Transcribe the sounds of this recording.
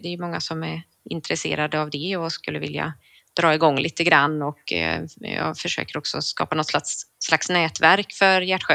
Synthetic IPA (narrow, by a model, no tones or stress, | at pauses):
d̪ɛjɵmɔŋːasɔmæɾ | ɪ̰nt̪ɾɛsḛːɾad̪əavd̪ɛɔskɵlːəvɪlja̰ | d̪̥ɾɑːɪɡɔŋːliːt̪əɡɾanːɔk | jɑ̰ːɡfœʂø̰ːkəɾɔksɔskɑ̰ːpanɔt̪slasːlaksnɛːt̪væɾkfœɾjæʈːɧø